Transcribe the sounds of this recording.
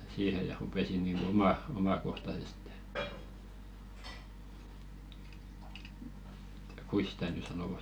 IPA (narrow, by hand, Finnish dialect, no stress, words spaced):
siːhe jɑ rupesin̆ niŋɡ̊u omɑ omɑkohtɑseste̥ kuis sĭtæ ny sɑnoʋɑ̥